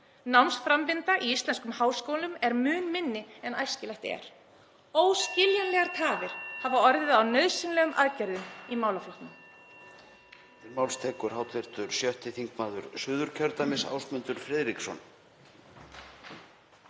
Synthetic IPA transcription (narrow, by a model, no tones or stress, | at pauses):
nawnsfɾampɪnt̪aʔiist̪lɛnskʏmhaːwskowlʏmɛɾmʏːnmɪnːɪɛnajscɪlɛht̪ɛ̰ɾ̥ | oːwscɪljanlɛɣaɾ̥t̪ʰaːvɪɾ̥havaɔɾðɪðawnœɥðsɪnlɛːɣʏmʔa̰ðcaɾðʏmimaːwlaflɔht̪nʏm | ɪɾmaːwlst̪ʰɛːkʏɾ̥hawt̪lɛɾ̥t̪ʏɾ̥sjœht̪ɪθiŋkmaːðʏɾ̥sʏːðʏɾ̥cʰœɾt̪amɪsa̰ːwsmʏnt̪ʏɾ̥fɾɛðɾiksɔ̰n